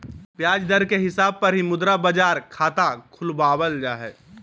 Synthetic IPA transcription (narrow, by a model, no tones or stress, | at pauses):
pjaːd͡ʒd̪əɾkeɦɪsaːb̚pəɾɦimʊd̪ɾabəd͡ʒaːɾkʰaːt̪akʰʊlbaːbəld͡ʒaːɦɛ̰ː